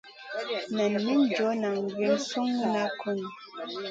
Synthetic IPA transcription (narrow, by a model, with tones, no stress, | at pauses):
na˨nː˨i˦n˦˨d͡ʒɔ˨˦na˨ŋ˨ɡe˨n̩˨su˦ŋːu˦na˦kʰu˦˨n˨